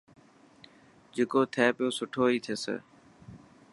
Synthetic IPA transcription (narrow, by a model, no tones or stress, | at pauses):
d͡ʒeːkoːt̪ʰɛːpɪjoːsʊʈʰoːiːt̪ʰeːsə̰ː